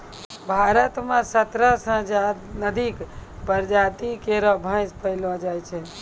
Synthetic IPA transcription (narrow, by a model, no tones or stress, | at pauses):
bʱaɾət̪mẽsət̪ɾəsə̃d͡ʒanəd̪ikpəɾd͡ʒat̪ikeɾɔbʱə̃ɪ̃spəɪlɔd͡ʒajt͡ʃʰɛ